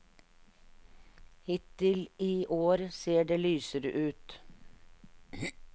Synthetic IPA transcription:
hɪt̪ɪliːʔoːɾseːɖeːlyːsəɾʔʉːt̪

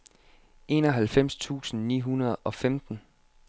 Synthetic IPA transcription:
ʔe̝̰ːnɒ̽ɦælfem̰st͡sʰṵːsn̩nḭːɦunɐð̞̩ˠɒ̽femd̥n̩

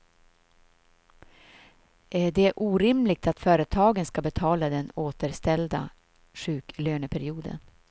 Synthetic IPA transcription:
ʔæɖɛʔuːɾɪmlɪɡ̚t̪at̪fœːɾət̪ʰɑːɡənskabɛt̪ʰɑːlad̪ɛnoːt̪əɾst̪ɛld̪a̰ | ɧʉ̟ːkløːnəpʰæɾɪuːd̪ə̰n

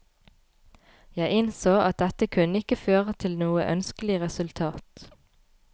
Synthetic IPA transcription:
jæɪɪnsoːʔɑt̪̚d̪ɛt̪əkʰʉnəɪkəføːʁət̪ʰɪlnuːə̰ʔœnskəlɪʁɛsʉlt̪ʰɑːt̪

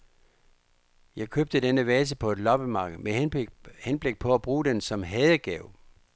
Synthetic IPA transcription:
jɑ̈ɪkʰøb̥̚d̥əd̥enəʋɛːs̬əpʰɒ̽e̝d̥lɒ̽b̥əmɑ̈ːɡ̥ð̩ˠmehenb̥le̝ɡ̥̚pʰɒ̽æb̥ʁuːd̥ensɒ̽mɦɛːð̞ˠəɡ̥ɛʊ

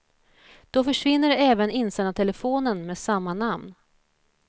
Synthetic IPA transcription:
d̪̥ɔfœʂvɪnːəɾɛːvənɪnsæɳat̪ʰɛləfoːnənmeːsamːanamn

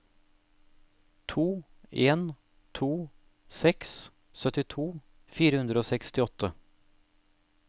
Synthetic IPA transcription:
t̪ʰuː | eːn | t̪ʰuː | sɛks | sœt̪ɪt̪ʰuː | fiːɾəhʉnd̪ɾəoːsɛkst̪ɪɔt̪ʰə

